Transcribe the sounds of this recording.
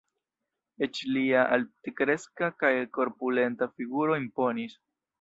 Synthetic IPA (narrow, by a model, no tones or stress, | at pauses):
e̞t͡ʃliaʔaltekɾe̞skakajko̞ɾpule̞ntafiɡuɾo̞impo̞nis